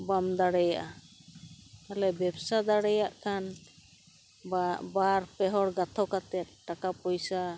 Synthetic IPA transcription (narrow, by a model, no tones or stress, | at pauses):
bamd̪aɽɛjaʔa | alɛbɛbsad̪aɽɛjaʔkan | baɾpɛɦɔɽɡat̪ʰɔkat̪ɛt̪̚ʈakapɔjsa